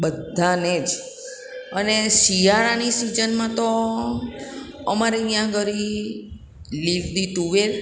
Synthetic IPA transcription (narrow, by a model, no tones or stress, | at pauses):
bəd̪ʱaned͡ʒ | ənesiaɾanisid͡ʒənmãt̪o | əmaɾejãɡʱəɾi | liʋd̪it̪uʋeɾ